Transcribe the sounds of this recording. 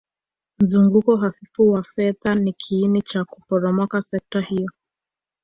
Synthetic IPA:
m̩zuŋɡukɔɦafifuwafɛðanikʰiːnit͡ʃaku̥pɔɾɔmɔkasɛk̚tahijɔ

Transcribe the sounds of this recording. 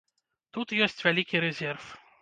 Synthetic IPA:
t̪ut̪jɔːsʲt̪ʲʋʲɛlʲikʲiɾʲɛzʲɛɾf

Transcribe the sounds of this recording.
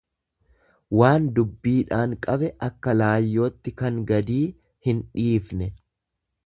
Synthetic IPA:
waːnd̪ʊbːiːᶑaːŋkʼɐbɛʔɐkːɐlaːjːo̞ːt̪ːɪkɐŋɡɐd̪iː | hɪnᶑiːfnɛ

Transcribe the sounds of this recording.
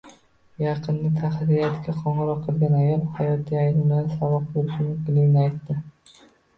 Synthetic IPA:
jɑqʰɨnːɪt̪ʰahɾiat̪kʲaqʰɒɴɨɾɒqʰːɨlˠɡʲanajɒlˠhajɒt̪ʰːiajlɪŋbɪlansavɒq̚boɾɪʃɪmʊŋkʲɪlɪɡʲɪnɪajt̪ːɪ

